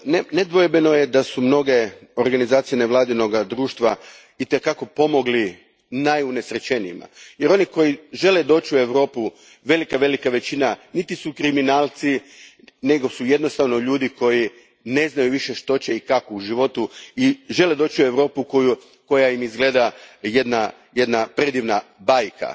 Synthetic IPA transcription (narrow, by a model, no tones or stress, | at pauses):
nned̪ʋojebeno̞jed̪asumno̞ɡe̞o̞ɾɡanizaːt̪sije̞ne̞ʋlˠaːd̪ino̞ɡad̪ɾuːʃt̪ʋa | it̪ekako̞po̞mo̞ɡli | najune̞sɾet͡ɕe̞nima̰je̞ɾo̞niko̞jiʒe̞led̪o̞ːt͡ɕue̞ʋɾo̞ːpu | ʋe̞likaʋe̞likaʋe̞t͡ɕinanit̪isukɾiminaːlˠt̪si | ne̞ɡo̞suje̞d̪no̞st̪aʋno̞ʎuːd̪iko̞ji | ne̞znajuʋiʃe̞ʃt̪o̞t͡ɕeikakouʒiʋo̞t̪uiʒe̞led̪o̞ːt͡ɕiue̞ʋɾo̞ːpukoju | ko̞jaimizɡle̞ːd̪aje̞d̪na | je̞d̪napɾed̪iʋnabajkʰa̰